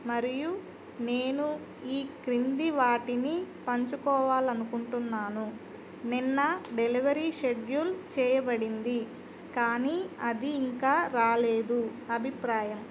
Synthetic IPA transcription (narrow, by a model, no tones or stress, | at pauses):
mɐɾiju | neːnu | iːkɾind̪iʋaːʈinipɐɲt͡ʃukɔːʋaːlɐnukuɳʈunːaːnu | ninːɐɖe̞liʋɐɾiːʃeɖjult͡ʃɛːjɐbɐɽind̪i | kaːniːɐd̪iːŋkaːɾaːleːd̪uɐbʱipɾaːjɐm